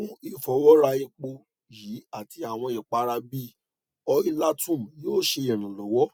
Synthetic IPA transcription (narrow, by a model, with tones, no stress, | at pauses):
ũ˦i˦fɔ˧˦wɔ˦ɾa˧i˧k͡po˧ | ji˨˦a˦˨ti˧a˨w̃ɔ̃˧i˨k͡pa˧˦ɾa˧bi˦ | ɔ˧i˦la˦tũ˦˨m˨joː˦˨ʃe˧i˨ɾ̃ĩ˨lɔ˨˦wɔ˦